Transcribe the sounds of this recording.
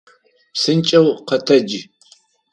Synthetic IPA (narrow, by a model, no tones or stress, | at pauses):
psɨnt͡ʃʼɐwqɐtʰɐd͡ʒi